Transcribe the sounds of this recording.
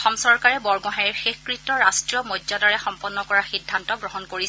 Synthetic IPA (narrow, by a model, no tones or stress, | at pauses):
ɔxɔmsɔɹkaɹɛbɔɹɡɔɦajɛɹxexkɹitːɔɹastɹiɔmɔdzadɔɹɛxɔmpɔnːɔkɔɹaxidʱːantɔɡɹɔɦɔnkoɹisɛ